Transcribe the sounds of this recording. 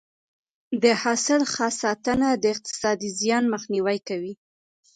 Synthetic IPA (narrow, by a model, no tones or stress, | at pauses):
d̪əhɑsɪlxɑsɑt̪ənad̪əɪq̚t̪ɪ̥sɑd̪izjɑnməxniwajkawi